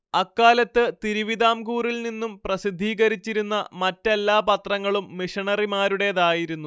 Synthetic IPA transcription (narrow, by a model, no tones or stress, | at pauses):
ɐkːaːlɐt̪ːɨt̪iɾuʋid̪aːmkuːrilninːumprɐsid̪ʱːiːɣɐɾit͡ɕːiɾunːɐmɐtːelːaːpɐt̪rɐŋːɐɭumːiʂɐɳɐrimaːɾuɽe̞ðaːjiɾunːu